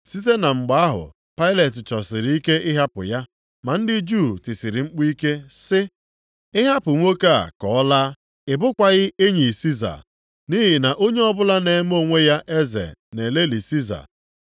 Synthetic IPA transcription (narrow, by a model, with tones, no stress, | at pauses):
si˦t̬e˦na˨ŋ͡m̩˨ɡ͡ba˨a˦ɦʊ̰˨ | pa˦ɪ˦le˨tɪ˨t͡ʃɔ˨sɪ˨ɾi˨˦i˦ke˦ɪ˦ɦa˦pʊ̰˨ja˦ | ma˨n̩˦dɪ˦d͡ʒu˦˨tɪ˨sɪ˨ɾɪ˨ŋ͡m̩˦k͡pi˦ke˦sɪ˦ | ɪ˦ɦa˦pʊ˨ŋʷo˦ka˦˨a̰˨kɔ˨ɔ˦la˦ | ɪ˨bʊ˦kʷa˨ɣɪ˦e˦ɲi˨si˦za̰˨ | ni˦ɦɪ˨na˨ʔo˦ɲe˦ɔ˦bʊ˦la˦ne˨˦m˦o˦˨ŋʷe˦ja˦ʔe˦zḛ˨ne˨le˦li˨si˦za̰˨